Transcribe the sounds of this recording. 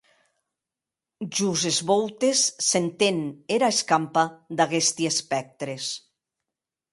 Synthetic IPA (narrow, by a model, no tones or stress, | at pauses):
ʒuzezβowt̪esːent̪eneɾaeskampad̪aɣest̪iespɛk̚t̪ɾes